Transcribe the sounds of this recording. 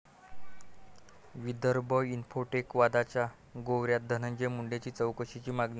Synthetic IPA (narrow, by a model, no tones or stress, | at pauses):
ʋid̪ʱəɾbʱəinfoʈekʋad̪at͡ɕja | ɡowɾjat̪̚d̪ʱənəɲd͡ʑemuɳɖet͡ɕiːt͡səwkəɕit͡ɕiːmaɡne